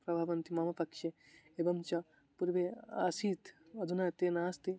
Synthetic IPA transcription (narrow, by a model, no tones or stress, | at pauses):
pɾɐbʱaːʋɐnt̪imɐmɐpɐkʃe | ebɐmt͡ʃɐ | puɾʋea̰ːsiːt̪ | ɐd̪ʱunaːt̪enaːst̪i